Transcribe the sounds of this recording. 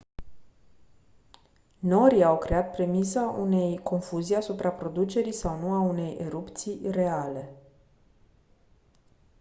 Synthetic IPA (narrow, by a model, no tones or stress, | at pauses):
no̞ɾiawkɾe̞at̪̚pɾe̞misaune̞jko̞nfuzijasupɾapɾo̞d̪ut͡ʃe̞ɾijsawnuaune̞jʔeɾupt̪sire̞ale̞